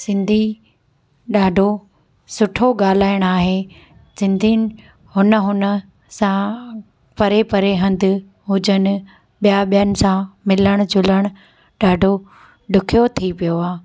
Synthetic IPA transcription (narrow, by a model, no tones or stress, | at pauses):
sɪ̃nd̪ʱi | ɗaːɖʱo | sʊʈʰoɡaːl̤aːɪɽ̃aːɦeː | sɪ̃nd̪ʱinɪ̆ | ɦʊnəɦʊnə | sã | pɐɾepɐɾeɦɐ̃nd̪ʱɪ̆ | ɦʊd͡ʑənɪ̆ | ɓijaɓijənɪ̆sãmɪləɽ̃ʊd͡ʑʊləɽ̃ʊ | ɗaːɖʱo | ɖʊkʰijot̪ʰipijoaː